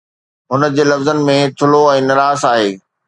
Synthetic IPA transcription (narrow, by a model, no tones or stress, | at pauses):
ɦʊnə̆d͡ʑeːlɐfzənɪ̆mẽt̪ʰʊloɛ̃ːnɐɾaːsaːɦeː